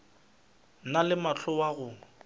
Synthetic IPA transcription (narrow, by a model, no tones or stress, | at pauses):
nalɪmat͡ɬʰʊwaɣʊ